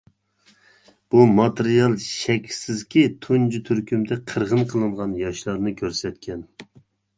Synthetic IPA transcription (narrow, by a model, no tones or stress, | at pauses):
b̥umɑt̪eɾijɑlˠʃɛkʲʰsɪzkʲit̪ʰund͡ʒyt̪ʰyɾkʲymd̪ɛqʰəɾʁənqʰəlˠɨɴʁɑnjɑʃlˠɑɾnɨkʲʰøɾsɛt̪̚kʲɛn